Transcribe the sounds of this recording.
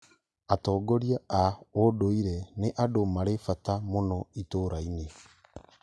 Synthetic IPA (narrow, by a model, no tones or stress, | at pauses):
atɔːɡɔɾiaaodoiɾɛneʔadomaɾefatamonɔitoːɾaine